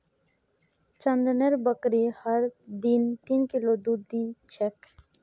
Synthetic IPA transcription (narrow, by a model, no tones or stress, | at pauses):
t͡ʃə̃nd̪neɾbəkɾihəɾd̪int̪iːnkɪlod̪ud̪it͡ʃʰek